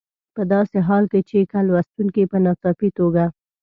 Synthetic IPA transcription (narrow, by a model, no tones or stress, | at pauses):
pəd̪ɑseɦɑlket͡ʃekalwast̪uŋkipənɑt̪ɑpit̪oɡa